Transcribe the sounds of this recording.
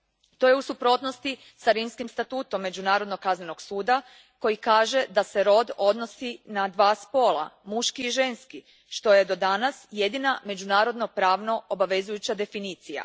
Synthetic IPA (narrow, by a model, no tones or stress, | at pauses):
t̪o̞je̞usupɾo̞t̪no̞st̪i | saɾimskimst̪at̪uːt̪o̞mːe̞d͡ʑunaːɾod̪nokazneno̞ɡsuːd̪a | ko̞jikaːʒe̞d̪ase̞ɾo̞d̪o̞d̪no̞sinad̪ʋaːspo̞ːlˠa̰muʃkiːʒe̞nski | ʃt̪o̞je̞d̪o̞d̪anasje̞d̪iname̞d͡ʑunaːɾo̞d̪no̞pɾaːʋno̞obaʋe̞zujut͡ɕad̪e̞finiːt̪sija̰